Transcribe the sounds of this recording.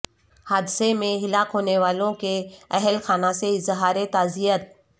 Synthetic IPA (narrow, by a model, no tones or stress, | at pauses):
haːd̪ɪsemẽɦɪlaːkɦoːneʋaːlõkeɛɦɛlxaːnaseɪzɦaːɾet̪aːzijət̪̚